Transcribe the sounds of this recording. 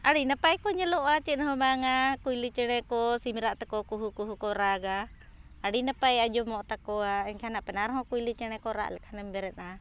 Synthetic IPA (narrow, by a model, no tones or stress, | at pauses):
aɽinapajkɔɲalɔʔat͡ʃɛnaɦɔmaŋakuilit͡ʃɛnɛkɔsimiɾaʔt̪ɛkɔkuɦukuɦukɔɾaɡaː | ɽinapajad͡ʒɔmɔʔt̪akɔaɛŋkanaʔpɛnaɾɦɔkuilit͡ʃɛñɛkɔɾa̰ʔlɛkanɛmbɛɾɛna